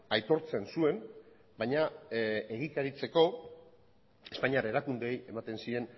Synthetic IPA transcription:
ajt̪o̞ɾt͡sensue̞n | baɲae̞ɣikaɾit͡se̞ko̞ | e̞spaɲiaɾeɾakund̪eeje̞mat̪e̞nsie̞n

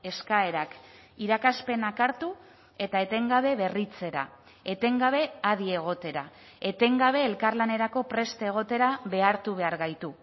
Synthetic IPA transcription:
e̞skae̞ɾak | iɾakaspe̞nakaɾt̪u | e̞t̪ae̞t̪e̞ŋɡaβ̞e̞βe̞rit͡se̞ɾa̰ | e̞t̪e̞ŋɡaβ̞e̞aðie̞ɣ̞o̞t̪e̞ɾa̰ | e̞t̪e̞ŋɡaβ̞e̞ːlkarlane̞ɾako̞pɾe̞st̪eeɣ̞o̞t̪e̞ɾaβe̞aɾt̪uβ̞e̞aɾɣajt̪u

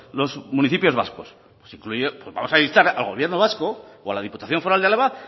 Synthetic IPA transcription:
lo̞zmuniθipjo̞zβa̰sko̞s | pwesiŋklujepwozβa̰mo̞saeist̪aɾalɣo̞β̞je̞ɾnoβ̞asko̞ | oalaðiput̪aθjo̞ɱfoɾald̪ealeβa

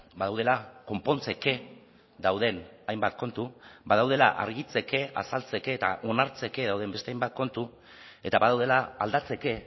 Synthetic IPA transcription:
baðawð̞e̞lako̞mpo̞nt͡seke̞ | ðawð̞e̞najmbat̪̚ko̞nt̪ubaðawð̞e̞la̰ʔa̰ɾɣit͡se̞ke̞ʔa̰salt͡se̞ke̞ːt̪a̰ʔo̞naɾt͡se̞ke̞ð̞awð̞e̞mbe̞st̪e̞ajmbat̪̚ko̞nt̪u | e̞t̪aβaðawðe̞laːld̪at͡se̞ke̞

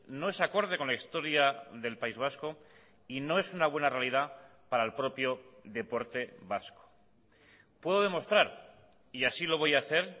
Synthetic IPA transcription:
no̞e̞sako̞ɾð̞e̞ko̞nlaist̪o̞ɾjaðe̞lpaizβ̞asko̞ | ino̞e̞sunaβ̞we̞nare̞alið̞apaɾaelpɾo̞pjo̞ðe̞po̞ɾt̪e̞βasko̥ | pwe̞ðo̞ðe̞mo̞st̪ɾaɾ | iasilo̞β̞o̞jaθe̞ɾ

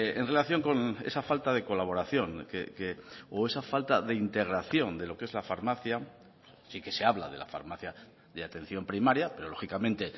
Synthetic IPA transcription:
enre̞laθjo̞ŋko̞ne̞̰safalt̪aðe̞ko̞laβ̞o̞ɾaθjo̞ŋkḛkeoe̞safalt̪aðe̞int̪e̞ɣɾaθjo̞nd̪e̞lo̞ke̞zlafaɾmaθja | sike̞se̞aβla̰ðe̞la̰fa̰ɾmaθja | ðeat̪ẽ̞n̟θjo̞mpɾimaɾjape̞ɾolo̞xikamẽ̞nt̪e̞

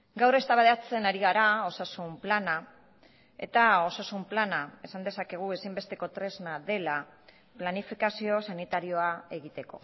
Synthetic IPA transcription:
ɡawrest̪aβaðat͡se̞naɾiɣaɾao̞sasumplana | e̞̰t̪ao̞sasumplanae̞sand̪e̞sake̞ɣ̞ue̞simbe̞st̪e̞ko̞t̪ɾe̞znaðe̞la | planifikasio̞sanit̪aɾio̞ae̞ɣit̪e̞ko̞̰

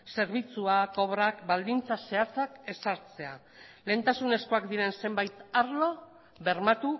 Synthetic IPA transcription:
se̞ɾβ̞it͡suako̞βɾakbald̪int͡sase̞at͡sake̞saɾt͡se̞a̰ | le̞ːnt̪asune̞sko̞akd̪iɾe̞nse̞mbajt̪aɾlo̞ | βe̞ɾmat̪u

